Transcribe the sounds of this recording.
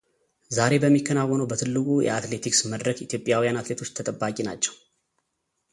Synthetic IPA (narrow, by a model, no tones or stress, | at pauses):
zaɾe̞bəmːikʰːənawːɔnəwbət̪ʰɨlːɨkʼujɛ̰at̪le̞t̪ʰiksməd̪ɾəkit̪ʰjo̞pʼjawijanat̪le̞t̪ʰo̞t͡ʃːt̪ʰət̪ʼəbːakʼinat͡ʃːɛw